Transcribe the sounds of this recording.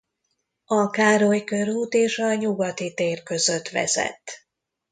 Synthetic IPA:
ɒkaːɾojkørɦuːt̪eːʃɒɲuɡɒt̪it̪eːrkø̞zø̞t̪ʋɛ̰zɛ̰t̪ː

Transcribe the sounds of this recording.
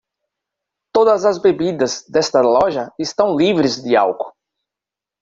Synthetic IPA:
t̪od̪ɐzɐzbebid̪ɐzd̪ɛst̪ɐlɔʒɐɪst̪ɐ̃w̃livɾɪzd̪ɪa̰wkʊ̥

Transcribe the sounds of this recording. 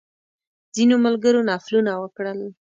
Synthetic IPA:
z̥inomalɡəɾonɑflunawəkɽəl

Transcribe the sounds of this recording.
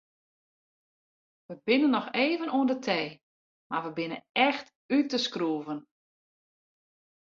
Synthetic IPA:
ʋəbɪnənːɔxeːvənuəndətʰeː | ma̰ʋəbɪnə̰nɛxt | ytəskruəvən

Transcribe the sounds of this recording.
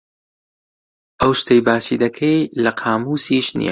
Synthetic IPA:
ʔɐwʃt̪ejbaːsiːd̪ɐkʰɐjlɐqʰaːmuːsiːʃnḭɛ̰

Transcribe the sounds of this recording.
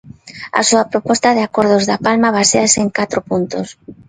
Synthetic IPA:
a̰suapɾopɔst̪aðeakoɾð̞ozðapalmaβ̞aseaseeŋkat̪ɾopunt̪os

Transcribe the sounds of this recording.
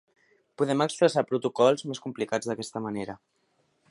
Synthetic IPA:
puðɛməkspɾəsapɾut̪ukɔlˠzmeskumplikad͡zðəkɛst̪əməneɾə

